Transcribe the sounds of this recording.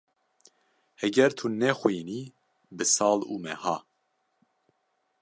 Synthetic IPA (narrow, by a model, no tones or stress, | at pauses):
hɛɡɛɾt̪ʰunɛxwiːni | bɨsɑːluːmɛhɑː